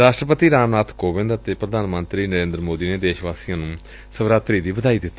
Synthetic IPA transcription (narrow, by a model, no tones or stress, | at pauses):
ɾaːʃʈɾəpət̪iːɾaːmnaːt̪ʰkoːbɪ̃nd̪ət̪eːpɾəd̪ʱaːnmənt̪ɾiːnəɾẽːnd̪ɾmoːd̪iːneːd̪eːʃʋaːsiːjãːnũː | səʋɾaːt̪ɾiːd̪iːbəd̪aːid̪ɪt̪ːa